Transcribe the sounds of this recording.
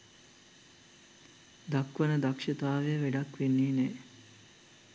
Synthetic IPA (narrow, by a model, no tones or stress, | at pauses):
d̪akʋənəd̪akʂɐt̪aːʋejəʋeɖakʋenːiːneː